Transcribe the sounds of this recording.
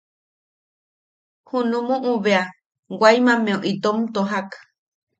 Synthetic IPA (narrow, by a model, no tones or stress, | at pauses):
hũnũmũʔũβea | ɡʷajmãmẽõʔit̪omt̪oɦak